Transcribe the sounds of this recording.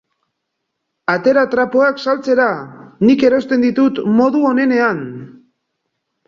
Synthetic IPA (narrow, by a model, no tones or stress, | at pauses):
at̪e̞ɾat̪ɾapoaksalt͡se̞ɾanike̞ɾo̞st̪e̞nd̪it̪ut̪mo̞ðuo̞ne̞ne̞an